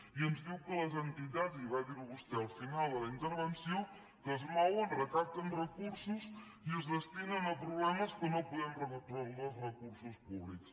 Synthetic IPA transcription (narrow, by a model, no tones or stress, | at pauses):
iənzðiwkələzənt̪it̪aziβaðiɾuust̪ɛlˠfinalˠd̪ələint̪əɾβənsiw | kəzmɔwənrət̪at̪ənrəkuɾsus | iəzðəst̪inənəpɾuβlɛməskənopuðɛmrəkunt̪ɾalˠnozrəkuɾsuspuβliks